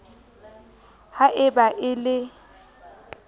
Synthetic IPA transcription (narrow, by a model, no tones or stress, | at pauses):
haʔɪbaʔɪlɪ